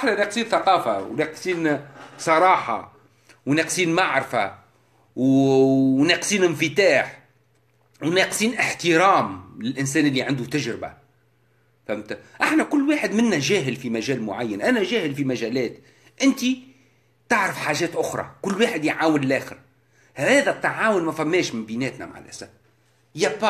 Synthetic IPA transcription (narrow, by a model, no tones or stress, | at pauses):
ʔaħnænæːqsiːnθɑqɑːfawnɛqsˤiːnsˤɑɾˤɑːħɑ̰ | wnɛːqsˤiːnmaʕɾfa | w | nɛːqsˤiːnɪnfɪt̪aːħ | wnɛqsˤiːnʔɪħt̪ɪɾɑːmlɪlʔɪns̬æːnʔɪlːiʕand̪ut̪æʒɾɪba̰ | fæmt̪ʔaħnækʊlːwaːħɪd̪mɪnːæʒæːɦɪlfimæʒɛːlmʊʕajːanʔænæʒæːhɪlfimæʒæːlɛːt̪ | ʔɪnt̪i | t̪aʕɾəfħaːʒɛːt̪ʔʊxɾˤɑ̰kʊlːwaːħɪd̪jʕaːwənlʔæːxɪɾ | hhæːðæb̚t̪ʕaːwʊnmæfæmːɛːʃmɪmbinɛːt̪næ̰ma̰ʕa̰lʔæsæb | jæpː